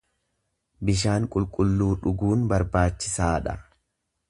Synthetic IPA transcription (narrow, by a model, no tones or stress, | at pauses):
bɪʃ̬aːŋkʼʊlkʼʊlːuːᶑʊɡuːnbɐɾbaːt͡ʃːɪsaːᶑɐ